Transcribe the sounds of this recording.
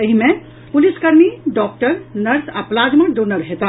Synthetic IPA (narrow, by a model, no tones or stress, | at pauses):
əɦime | puliskəɾmiɖɔk̚ʈəɾnəɾsaplad͡ʒməɖonəɾɦet̪ã